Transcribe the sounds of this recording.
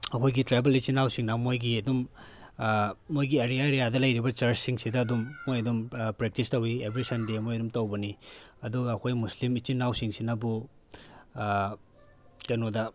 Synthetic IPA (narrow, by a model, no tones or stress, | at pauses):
ɐkʰojɡitɾebelit͡ʃinawsiŋnamojɡiɐdum | ojɡieɾijaɾejadɐlɐjɾibɐt͡ʃɐɾsiŋsidɐːdumːojɐdumpɾek̚tistɐwiebɾisɐndemojɐdumtɐwbɐniɐduɡɐːkʰojmuslimit͡ʃinːawsiŋsinɐbu | kɐjnodɐ